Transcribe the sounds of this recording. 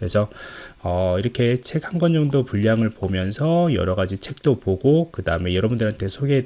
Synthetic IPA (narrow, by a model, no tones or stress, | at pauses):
kɾe̞sʰʌʌiɾʌkʰe̞t͡ɕʰe̞khanɡwʌnd͡ʑʌŋdopuʎjaŋɯɭpomjʌnsʰʌjʌ̰ɾʌɡad͡ʑit͡ɕʰe̞k̚t͈opoɡokɯdaɯme̞jʌɾʌbundɯɭhantʰe̞sʰoɡe̞